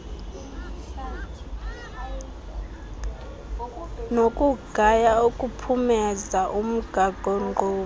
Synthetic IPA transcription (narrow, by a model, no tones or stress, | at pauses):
nokʼuɡ̥ʱajaokʼupʰumɛzaʔum̩ɡ̥ʱaɡ̥ʱɔŋɔː